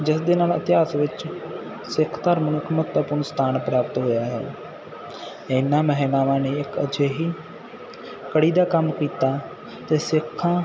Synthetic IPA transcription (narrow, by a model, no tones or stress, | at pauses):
d͡ʒɪsd̪eːnaːlə̰t̪ɪɦaːsʋɪt͡ʃ | sɪkʰt̪əɾmnũːɪkmʊt̪aːpʊɾɳst̪ʰaːnpɾaːpət̪ɦoːjaːɦɛ̰ː | ɪnːãːməɦiːnaːʋãːneːɪkə̰d͡ʒeːɦiː | kəɽiːd̪aːkəmkiːt̪aː | t̪eːsɪkʰːãː